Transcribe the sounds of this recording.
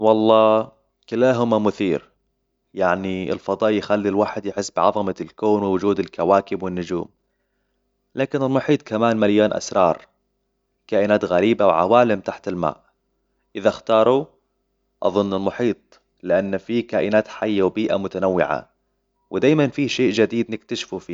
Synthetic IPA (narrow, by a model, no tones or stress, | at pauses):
wɑlˤːɑː | kɪlaːɦʊmamʊθiːɾ | jaʕniɪ̰lfɑd̪ˤɑːʔjɪxalːilwaːħɪd̪jħɪsːbɪʕɑðˤɑmalkoːnwɪwʊd͡ʒuːd̪ɪlkawaːkɪbwɪnːʊd͡ʒuːm | laːkɪnɪlmʊħiːt̪ˤkamaːnmaljoːnʔa̰sɾˤɑːɾˤ | kaːʔɪnaːt̪ɣaɾiːbawʕa̰waːlɪmt̪aħt̪ɪlma̰ːʔ | ʔɪðaxt̪ɑːɾˤu | ʔɑ̰ðˤʊnːɪlmʊħiːt̪̚ˤ | lɪʔanːfikaːʔɪnaːt̪ħajːawbiːʔa̰mʊt̪anawːɪ̰ʕa̰ | wɪd̪aːjmanfiʃeːʔʒad̪iːd̪nɪk̚t̪aʃfufiː